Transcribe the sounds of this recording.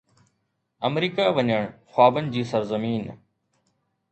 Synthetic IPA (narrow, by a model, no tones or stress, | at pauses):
əmɾiːkaːʋəɲəɳ̃xwaːbənɪ̆d͡ʑiːsəɾzəmiːn